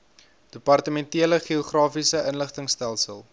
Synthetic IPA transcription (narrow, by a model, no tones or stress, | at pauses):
d̥əpɐrtəmɛntiələχioχrɑːfisəʔənləχtəŋstælˠsəlˠ